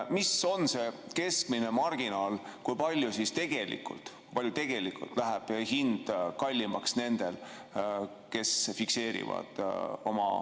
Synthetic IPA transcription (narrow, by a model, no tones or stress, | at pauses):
miso̞nse̞ke̞skmine̞mɑrɡ̥inɑːlkujpɑlʲjusist̪e̞ɡ̥e̞lḭkːˑṵlt̪kujpɑljut̪e̞ɡ̥e̞likṵlt̪ˑlæɦæb̥hind̪̥kɑlʲːimɑksne̞nd̪̥e̞l | ke̞sfikse̞ːɾḭvɑ̰d̪̥o̞mɑ̰